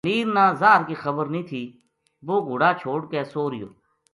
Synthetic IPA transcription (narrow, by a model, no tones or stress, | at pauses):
niːɾnãːzaːɾkiːxəbəɾnĩːt̪ʰiː | boːɡʱʊɽaːt͡ʃʰoːɽkeːsoːɾɪjo̰ː